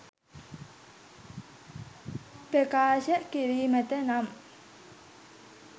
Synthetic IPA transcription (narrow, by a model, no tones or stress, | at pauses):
b̥ɛkaɕɛʔkeɾimɛt̪ɛnam